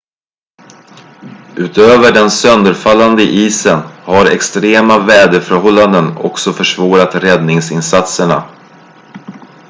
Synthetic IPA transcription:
ʔʉ̟ːt̪øːvəɖɛnsœnd̪əɾfalːand̪əʔiːsənhaɾɛ̰kst̪ɾeːmavɛːd̪əfœɾhɔlːand̪ənɔ̰ksɔfœʂvoːɾat̪ɾɛd̪nɪŋsɪnsat̪səɳa̰

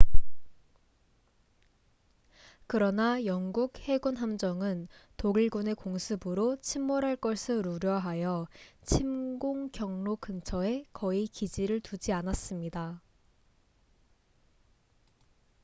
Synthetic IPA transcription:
kɯɾʌnajʌŋɡuk̚he̞ɡunɦamd͡ʑʌŋɯntoɡiɭɡune̞koŋsʰɯbɯɾot͡ɕʰimːoɾɦaɭk͈ʌɭsʰɯɾuɾjʌɦajʌt͡ɕʰimɡoŋkjʌŋnokʰɯnt͡ɕʰʌe̞kʌikid͡ʑiɾɯɭtud͡ʑianas͈ɯmɲida

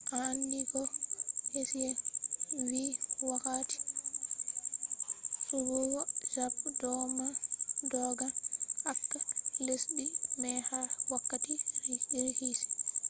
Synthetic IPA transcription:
ʔandiɡɔhesijɛ | wiwakati̥ | suɾuwɔd͡ʒabdɔmadɔːɡaʔakːalesɗimɛhawakːatiɾhisi̥

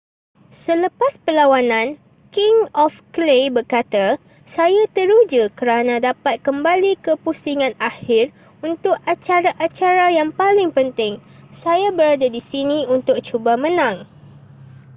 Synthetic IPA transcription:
sələpaspəlawanãn | kɪŋɔfklebərkat̪a | sajat̪əɾud͡ʒəkəɾanãdapat̪̚kəmbalikəpusiŋãnahɪr | unt̪ʊkat͡ʃaɾaʔat͡ʃaɾajaŋpalɪŋpənt̪ɪŋsajabəɾadadisinĩunt̪ʊk̚t͡ʃubamə̃nãŋ

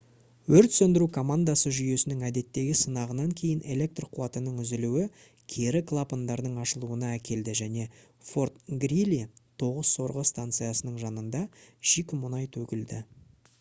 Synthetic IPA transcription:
wɵɾt̪sɵnd̪ɪɾukʰo̞mand̪asəʒʏje̞sɪnɪŋæd̪e̞t̪ːe̞ɡʲɪsənɑʁənɑŋkʲʰe̞jɪnʔe̞lʲe̞k̚t̪rqʰuɑt̪ənəɴʏzɪluwɪ | kʲʰe̞ɾɪkʰlˠapənd̪ɑɾd̪əɴɑʃəlˠuənɑækʲʰe̞ld̪ɪʒæne̞ | fo̞rt̪̚ɡɾilʲit̪ʰo̞ʁəz̥so̞ɾʁəst̪ant̪sɨjasənəɴʒɑnənd̪ɑʃikʲmʊnɑjt̪ʰɵkʲɪld̪ɪ

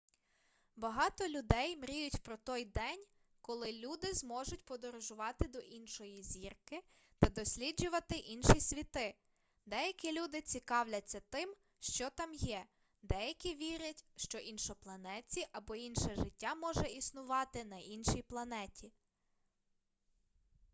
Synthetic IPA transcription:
bɐɦɑt̪ɔlʲʊd̪ɛjmɾʲijʊtʲpɾɔt̪ɔjd̪ɛnʲ | kɔlˠɪlʲud̪ɪzmɔʒʊtʲpɔd̪ɔɾɔʒʊʋɑt̪ɪd̪ɔʔinʃɔjizʲirkɪ | t̪ɐd̪ɔsʲlʲid͡ʒʊʋɐt̪ɪʔinʃisʲʋʲit̪ɪ | d̪ɛjɐkʲilʲud̪ɪt͡sʲikɑwlʲɐt͡sʲːɐt̪ɪm | ʃt͡ʃɔt̪ɑmjɛ | d̪ɛjɐkʲiʋʲiɾʲɐtʲʃt͡ʃɔʔinʃɔplˠɐnɛt͡sʲiʔɐbɔinʃɛʒɪtʲːamɔʒɛisnʊʋɑt̪ɪnɐʔinʃijplˠɐnɛtʲi

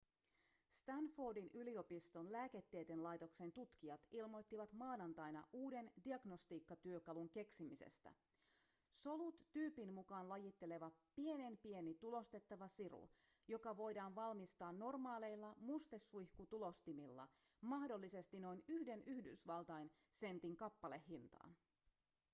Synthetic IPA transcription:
st̪ænfoːdinylio̞pist̪o̞nlæːke̞t̪ːejt̪enlɑjt̪o̞ksent̪ut̪k̟iɑt̪ilmo̞jt̪ːiʋɑt̪mɑːnɑnt̪ɑjnɑ̰ʔuːde̞ndiɑɡnost̪iːkːɑt̪yøkɑluŋke̞ksimise̞̰st̪æ̰ | so̞lut̪ːyːpinmukɑːnlɑjit̪ːe̞le̞ʋɑpie̞ne̞mpie̞nit̪ulo̞st̪e̞t̪ːɑʋɑsirṵ | jo̞kɑʋo̞jdɑːnʋɑlmist̪ɑːnːo̞rmɑːle̞jlːɑmust̪esːujhkut̪ulo̞st̪imilːɑ̰ | mɑhdo̞lːise̞st̪ino̞inyhde̞nʔyhdysʋɑlt̪ɑjn | se̞nt̪iŋkɑpːɑle̞hːint̪ɑ̰ːn

